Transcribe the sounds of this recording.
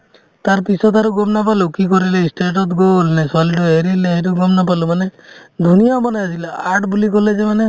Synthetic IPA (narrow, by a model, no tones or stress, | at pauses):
t̪aɾpisɔt̪aɾuɡɔmnap̬alukikɔɾilesʈeʈ̬ɔt̪ɡolneswalʈueɾileɦeɾuɡɔmnapalumaned̪ʱunijabɔnajasilaaɾʈbulikɔled͡ʒemane